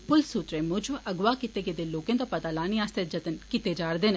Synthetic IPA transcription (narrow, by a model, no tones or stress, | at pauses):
pʊlsut̪ɾemʊd͡ʒʋəɡʋaːkɪt̪eɡed̪eloːkẽt̪õpɐt̪alaːniaːst̪ed͡ʒɐt̪ənkit̪ed͡ʒaːɾd̪ɪn